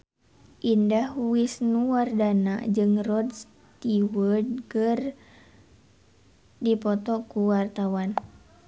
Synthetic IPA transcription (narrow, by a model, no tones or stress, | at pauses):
ʔindahuisnuwardana̰d͡ʒɨŋrɔds | t̪iwərdkɨr | dipɔt̪ɔkuwart̪awan